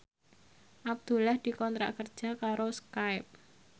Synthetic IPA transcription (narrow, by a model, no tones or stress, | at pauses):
ʔab̚d̪̥ṳlahd̪̥i̤kɔnt̪ɾa̰ʔkərd̥ʒ̥a̤kaɾoskaɪp̚